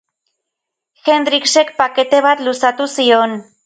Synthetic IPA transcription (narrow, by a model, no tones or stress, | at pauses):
xe̞nd̪ɾikse̞kpake̞t̪e̞β̞at̪lusat̪usio̞n